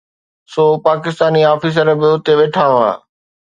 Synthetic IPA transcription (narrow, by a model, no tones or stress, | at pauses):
soːpaːkɪst̪aːniaːfis̬əɾbɪʊt̪eʋeːʈʰaːɽ̃õa̰ː